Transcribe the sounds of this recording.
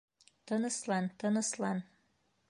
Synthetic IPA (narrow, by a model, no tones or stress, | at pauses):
t̪ɤnəslɑnt̪ənə̆slɑn